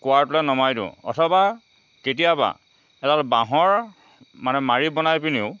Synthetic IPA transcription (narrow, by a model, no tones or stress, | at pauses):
kʊwaɹtulɛnɔmajdʊ̰̃ɔ̰tʰɔba | ketijaba̰ | ɛtalbãɦɔɹ | manɛmaɹibɔnajpiniʊ